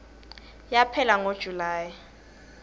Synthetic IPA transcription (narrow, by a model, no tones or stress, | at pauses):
japʰɛlaŋod̥ʒ̥ʱulaːji